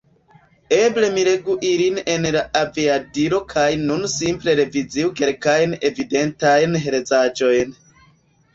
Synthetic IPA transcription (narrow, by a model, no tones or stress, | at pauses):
e̞ble̞miɾe̞ɡuʔiline̞nlaʔaviadiɾo̞kʰajnunsimple̞ɾe̞vid͡ziuke̞lkajne̞vide̞ntajnɦeɾezad͡ʒo̞jn